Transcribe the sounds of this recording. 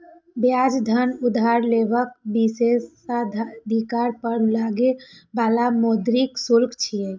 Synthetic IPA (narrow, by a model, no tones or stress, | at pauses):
bjad͡ʒd̪ʱənud̪ʱaɾlebək̚bises | ad̪d̪ʱikaɾpəɾlaɡebalamod̪ɾiksuɾɡt͡ʃʰije